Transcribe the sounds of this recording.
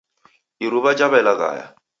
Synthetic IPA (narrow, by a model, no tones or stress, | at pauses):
iɾuβad͡ʒabalaka̰ːja̰